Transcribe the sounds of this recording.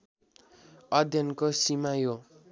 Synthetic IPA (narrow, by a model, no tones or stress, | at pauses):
ʌd̪ʱjʌnkosimajo